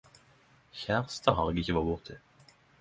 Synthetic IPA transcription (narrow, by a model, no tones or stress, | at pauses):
çæʁst̪ʰəʁɦɑːʁeːɡɪçəʋɑːbʊʁt̪ʰɪ